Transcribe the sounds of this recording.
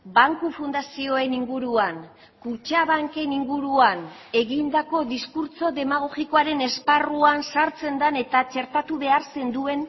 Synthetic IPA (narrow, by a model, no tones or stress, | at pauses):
baŋkufund̪asio̞e̞niŋɡuɾuan | kut͡ʃaβaŋke̞niŋɡuɾuan | e̞ɣind̪ako̞ðiskuɾt͡so̞ðe̞maɣ̞o̞ɣiko̞aɾe̞ne̞sparuansaɾt͡se̞nd̪ane̞t̪at͡ʃe̞ɾt̪at̪uβe̞aɾse̞nd̪ue̞n